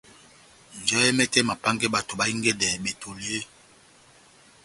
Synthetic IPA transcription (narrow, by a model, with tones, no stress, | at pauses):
n˨d͡ʒɔ˦jɛ˦mɛ˦tɛ˦ma˨pa˦ŋɡɛ˦ba˨to˨ba˨˦i˦ŋɡɛ˦dɛ˨be˨tʰo˨le˦e˦